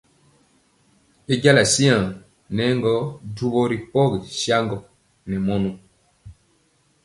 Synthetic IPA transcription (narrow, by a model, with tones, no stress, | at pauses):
e˦ɟa˦la˨si˦ã˨ | nɛ˨˦ŋɡɔ˦du˦bɔ˦ɾi˨pɔ˦ɡi˨ʃja˦ŋɡɔ˨ | nɛ˨mɔ˦nu˦